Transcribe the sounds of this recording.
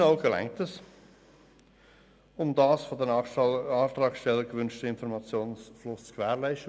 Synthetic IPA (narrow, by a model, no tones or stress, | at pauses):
aʊɡəlɛ̰ŋ̚təs | ʊmdaːsfodənɑːt̪ɾɑːkstɛləɡəvʏnʃtəɪnfɔɾmɑt͡sjoːnsflʊst͡skʰvɛːɾlæɪʃtə